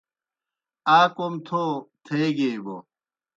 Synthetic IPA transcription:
aːkomt̪ʰot̪ʰeɡeːbo̰

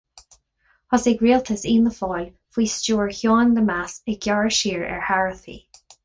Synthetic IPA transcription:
hɔseɡɹiːlt̪ʰəsiːnəfɔːl | fiːst͡ʃuːəɹçjɔːnd̪əmasɪɡjaɹʃiːɹɛ̰ɹhaɹəθḭ

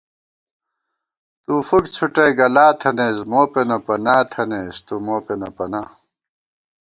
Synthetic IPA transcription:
t̪uːfukt͡ɕʰuʈeːɡɐlaːt̪ʰɐneːsmoːpenɐpɐnaːt̪ʰɐneːst̪umoːpenɐpɐnaː

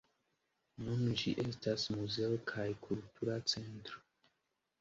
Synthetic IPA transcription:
nund͡ʒḭʔe̞stasmuze̞okʰajkʰultʰuɾat͡se̞ntɾo

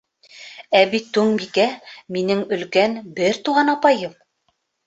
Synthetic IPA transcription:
æbit̪ːʉŋbikæminɘŋɵ̆lkænbɘɾt̪uʁɑnɑpɑjɤm

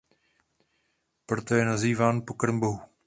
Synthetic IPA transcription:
pɾot̪ojɛnaziːvaːnpokɾmboɦu

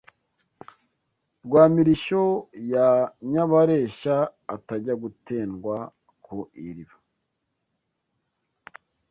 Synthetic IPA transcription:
ɾɡwaːmiɾiʃo̞jaɲaβaɾeːʃaːtaɟaɡuteːnɡwa | kʰuʔiɾiβa

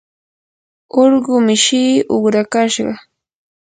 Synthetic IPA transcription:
oɾɢʊmɪʃiːʊχɾakaʃɢɑ

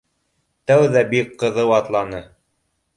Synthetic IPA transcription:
t̪æwðæbikqːɤ̆ðɤwɑt̪lˠɑnɤ

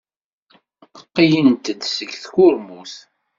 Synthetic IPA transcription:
qːijənt̪əd̪səkːθkʊɾmuθ

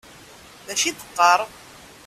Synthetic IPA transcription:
ðæʃiθə̥qːəɾˤ

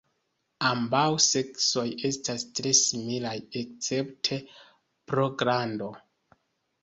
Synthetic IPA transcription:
ambawse̞kso̞je̞stastɾe̞similajekt͡se̞ptʰe̞ | pɾo̞ɡɾando̞

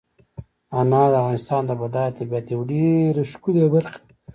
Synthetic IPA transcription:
anɑd̪əavɣɑːnɪst̪ɑnd̪əbad̪ɑjt̪abiat̪ewɖeɾeʃkulebaɾq

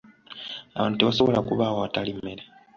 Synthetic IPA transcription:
aβa̰ːntute̞βaso̞βo̞lakuβaːwoatalimːe̞ɾe

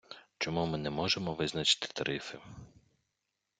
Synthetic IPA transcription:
t͡ʃɔmumɪnɛmɔʒemɔʋɪznɐt͡ʃɪ̥t̪ɪ̥t̪ɐɾʔɪfɪ

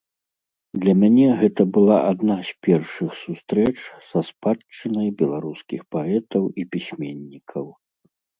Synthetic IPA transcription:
d̪lʲɐmʲanʲɛɣɛt̪ɐbɨlˠa̰ʔad̪nasʲpʲɛrʂɨxsust̪ɾɛt͡ʂsɐspat͡ʂɨnɐjbʲɛlˠaɾuskʲixpaɛt̪ɐwipʲisʲmʲenʲːikʰɐw

